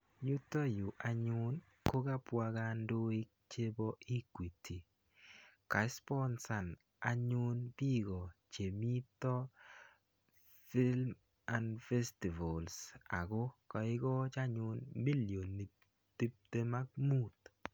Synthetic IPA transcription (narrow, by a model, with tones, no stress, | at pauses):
jʊ˦tɔ˦jʊ˨ʔa˨ɲʊ˦n | ko˦ɡa˦pwa˧ɡa˦ndo˦ɪ˦k̚t͡ʃe˦bɔ˦i˦kwi˨tʰi˨ | ka˨˦spɔ˦nsa˨n | a˨ɲʊ˦nbi˦ɡɔ˨t͡ʃe˨mi˦tɔ˦ | fi˦lm | a˨ndfɛ˦sti˨va˨lsa̰˨ɡʊ˦kɔ˨ɪ˦ɡɔ˦t͡ʃa˦ɲʊ˦nmi˦lijo˨nːi˨ | t̪i˦p̚te˦ma˦ɡ̚mu˦˨t̪